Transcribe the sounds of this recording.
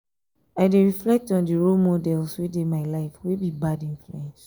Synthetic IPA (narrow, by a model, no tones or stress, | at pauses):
aɪdeɹiflɛk̚tɔ̃ndiɹolmɔdɛlswidemaɪlaɪfwebibadĩnfluɛ̃ns